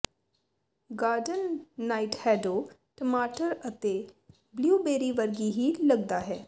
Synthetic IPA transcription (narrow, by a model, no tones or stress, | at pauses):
ɡaːɾɖənːaːiʈhɛːɖoː | ʈəmaːʈəɾət̪eː | bljuːbeːɾiːʋəɾɡiːɦiːləɡd̪aːɦɛː